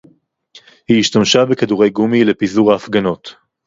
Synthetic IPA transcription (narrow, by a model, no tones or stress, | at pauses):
hiːʃtamʃabekaduʁejɡumile̞pizuʁaːfɡano̞t